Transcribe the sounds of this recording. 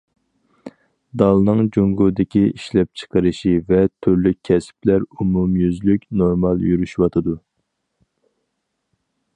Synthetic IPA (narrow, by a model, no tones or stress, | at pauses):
d̪ɑlˠnɨŋd͡ʒoŋɡud̪ɪkʲiiʃlɛp̚t͡ʃʰə̥qʰəɾɨʃivɛt̪ʰyɾlyk̚ʲʰːɛsplæɾumumjyzlykʲnoɾmɑlˠjyɾyʃwɑt̪ʰɨd̪u